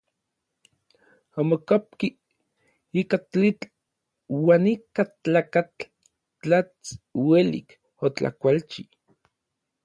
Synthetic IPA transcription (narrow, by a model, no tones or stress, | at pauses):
amokap̚ki | ikat͡ɬit͡ɬ | waːnikat͡ɬaːkat͡ɬ | t͡ɬat͡swelḭk | ot͡ɬa̰kʷalt͡ʃi